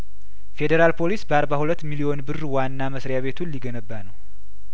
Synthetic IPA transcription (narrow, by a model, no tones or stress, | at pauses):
fe̞d̪eɾalpʰo̞lisbəaɾbahulət̪ːmilio̞nbɨrːwanːaməsɾjaβe̞t̪ʰunlːiɡənəbːanəw